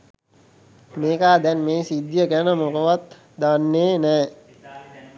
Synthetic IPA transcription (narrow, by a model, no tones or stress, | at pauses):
meːkaːd̪ɛnmeːsid̪jəkænəmokəʋat̪ | d̪anːeːnɛː